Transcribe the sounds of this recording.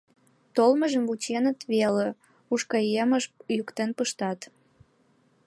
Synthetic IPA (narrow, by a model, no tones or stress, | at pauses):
t̪olməʒəmvut͡ɕenət̪βele | uʃkɑjeməʃjukt̪enpəʃt̪ɑt̪